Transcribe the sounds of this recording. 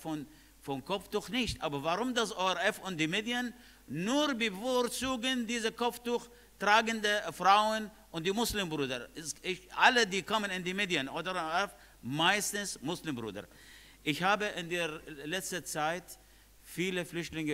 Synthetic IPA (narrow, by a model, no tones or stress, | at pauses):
fɔn | fɔnkʰɔftuxnɪçtʔaːbɐvaʁʊmdasʔoːɛʁɛfʊnt̚d̥iːmeːdjən | nuːʁbəfoʁt͡suːɡəndiːzəkʰɔftux | tʁaːɡəndəfʁ̥aʊən | ʔʊnt̚d̥iːmʊslimbʁuːdɐsɪʔalədiːkʰɔmənɪndiːmeːdiənʔoːdəɛf | maɪstn̩smʊslimbʁṵːdɐ̰ | ʔɪçhaːbəʔɪndeːɐlɛt͡stət͡saɪt | fiːləflʏçtlɪŋə